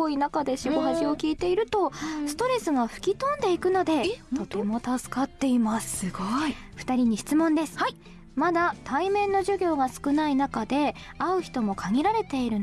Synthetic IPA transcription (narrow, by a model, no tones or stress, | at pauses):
oinakad̪e̞ɕiboɦaʑio̞kʲiːt̪e̞iɾɯ̟t̪o̞sɨ̥t̪o̞ɾe̞sɨɡaɸɯ̟̥kʲit̪õ̞nd̪e̞ikɯ̟no̞d̪e̞t̪o̞t̪e̞mo̞t̪asɨ̥kat̪ːe̞imassɡo | ɸɯ̟̥t̪aɾʲiɲ̟iɕi̥t͡sɨmõ̞nd̪e̞sɨ̥ | mad̪at̪aimẽ̞nːo̞ʑɨɡʲo̞ːɡasɨ̥kɯ̟nainakad̪e̞ | aɯ̟çi̥t̪o̞mo̞kʰaɡʲiɾaɾe̞t̪e̞iɾɯ̟